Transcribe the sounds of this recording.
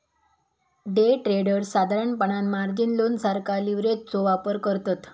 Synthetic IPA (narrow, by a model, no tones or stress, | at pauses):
ɖeʈɾeɽəɾsad̪ʱaɾəɳpəɳanmaɾd͡ʑinlonsaɾkʰaliʋɾett͡soʋapəɾkəɾt̪at̪